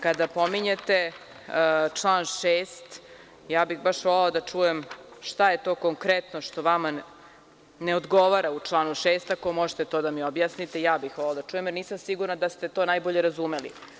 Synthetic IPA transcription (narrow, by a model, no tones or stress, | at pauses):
kad̪apo̞miɲet̪e̞ | t͡ʂlˠaːnʃeːst̪ | jaːbixbaʃʋo̞leod̪at͡ʂuːje̞mʃt̪aje̞t̪o̞ːkoŋkɾet̪noʃt̪o̞ʋama | neod̪ɡo̞ʋaɾaut͡ʂlˠaːnuʃeːst̪ako̞moʒet̪et̪o̞ːd̪amiobjaːsnit̪ejaːbixʋoleod̪at͡ʃuje̞mjeɾniːsamsiɡuɾnad̪ast̪e̞t̪o̞ːnajboʎe̞ɾazumelḭ